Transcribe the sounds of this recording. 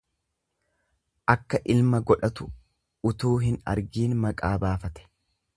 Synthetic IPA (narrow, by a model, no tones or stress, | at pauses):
ʔɐkːɐʔɪlmɐɡɔᶑɐt̪ʊ | ʊt̪uːɦɪnɐ̰ɾɡiːnmɐkʼaːbaːfɐt̪ɛ̥